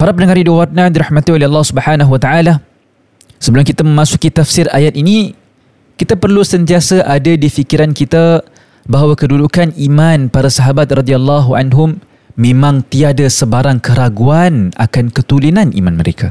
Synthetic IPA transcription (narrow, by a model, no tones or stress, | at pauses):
paɾapənəŋaɾidiwarnadiɾahmat̪iolɛɑlːɑhsubəħanaɦuwat̪aʕala | səbəlʊmkit̪amə̃masukit̪afsiɾajat̪̚ini | kit̪apərlusənt̪iasaʔadadifikiɾankit̪a | baɦawakədudukanimanpaɾasaɦabat̪̚rɔdialːɑɦua̰nɦʊmː | ẽmãŋt̪iadasəbaɾaŋkəɾaɡuana̰kankət̪ulinanʔḭmanməɾḛkʰa